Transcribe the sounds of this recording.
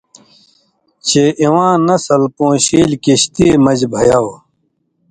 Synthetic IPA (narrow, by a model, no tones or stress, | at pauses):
t͡ɕʰeːʔiwãːnɐsɐlpõːɕiːlkiɕt̪iːmɐd͡ʑbʱɐjaw